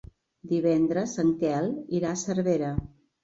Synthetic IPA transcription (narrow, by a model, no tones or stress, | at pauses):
d̪iβɛnd̪ɾəzəŋkɛliɾasəɾβeɾə